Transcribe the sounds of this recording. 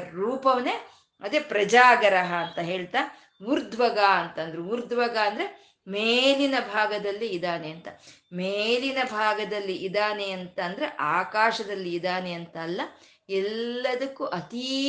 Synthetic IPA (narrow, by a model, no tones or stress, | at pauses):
ɾuːpɐʋɐne | ɐd̪eːpɾɐd͡ʒaːɡɐɾɐɦɐːnt̪ɐɦeːɭt̪aː | ʋuɾd̪ʱʋɐɡaːɐnt̪ɐɐnd̪ɐɾeʋuɾd̪ʋɐɡaːɐnd̪ɐɾe | meːlinɐbʱaːɡɐd̪ɐlːiːd̪aːneɐnt̪ɐmeːlinɐbʱaːɡɐd̪ɐlːiʔːd̪aːneɐnt̪ɐːnd̪ɐɾeʔaːkaːʃɐd̪ɐlːiːd̪aːneɐnt̪ɐːlːɐ | ɛlːɐd̪ɐkːuʔɐt̪i